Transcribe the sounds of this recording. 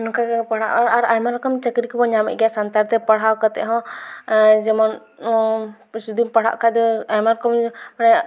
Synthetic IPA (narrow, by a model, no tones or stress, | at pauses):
nɔkapaɽ̤aʔaɾajmaɾakamt͡ʃəkɾikbɔɲamɛ̰ʔ̚ɡjaʔsant̪aɾt̪ɛpaɽ̤awkat̪ɛ̰ʔɦɔ̃ | d͡ʒɛmɔn | ɔ̃ | sud̪impaɽ̤a̰ʔkad̪ɔajmaɾkɔmmanɛ